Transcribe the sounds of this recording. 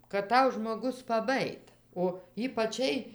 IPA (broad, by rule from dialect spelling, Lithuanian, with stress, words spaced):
kɐt ˈtɐʊ ʒmoːˈɡʊs pɐˈbɑːjɪt oː iːpɐˈt͡ʃʲɛɪ